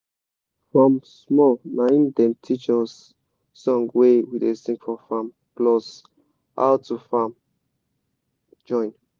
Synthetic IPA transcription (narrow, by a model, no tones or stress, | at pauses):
fɹɔ̃msmɔlnaĩndɛ̃ntʰit͡ʃɔsː | ɔ̃ŋɡwewidesĩŋkfɔfãm | plɔs | a̰ʊtʰufam | d͡ʒɔ̃ɪ̃n